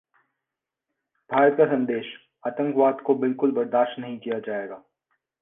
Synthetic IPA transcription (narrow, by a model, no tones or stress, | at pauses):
b̥ʱaːɾət̪̚kasɐ̃nd̪eːʃ | aːt̪ə̃ŋkʋaːd̪kobɪlkʊlbɐɾd̪aːʃʈtnɐɦĩkijad͡ʒaːeːɡaː